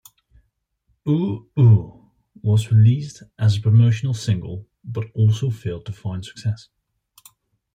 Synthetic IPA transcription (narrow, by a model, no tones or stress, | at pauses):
uu | wɒzɹɪliˑsdʔəzəpʰɹ̥əmoʊʃənl̩ˠsɪ̃ŋɡə̰lˠ | b̥ʌɾɔˑlˠsoʊfɛɪlˠd̚tʰəfãɪ̃nd̥sə̥ksɛs